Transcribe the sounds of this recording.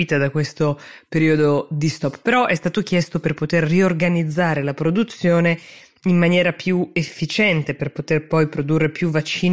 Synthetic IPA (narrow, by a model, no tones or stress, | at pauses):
iːt̪ad̪akwest̪opeɾiːod̪od̪ist̪ɔpːpeɾɔʔɛst̪aːt̪ok̟jɛst̪operpot̪erːiorɡanid̪zːaːɾelapɾod̪ut̪sːjoːne | imːanjɛːɾapjuefːit͡ʃɛnt̪eperpot̪erpɔjpɾod̪urːepjuvat͡ʃːiː